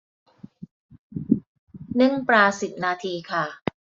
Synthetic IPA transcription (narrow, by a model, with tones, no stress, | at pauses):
nɯ˥˩ŋpɾaː˧si˨˩p̚naː˧t̪ʰiː˧kʰa˥˩